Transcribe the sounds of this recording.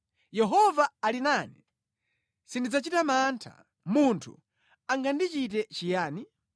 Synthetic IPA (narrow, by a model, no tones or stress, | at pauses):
jɛɦɔvaːlinaːnɛ | sindid͡zat͡ʃitamantʰa̰ | muntʰṵ | aŋɡandit͡ʃitɛt͡ʃijaːni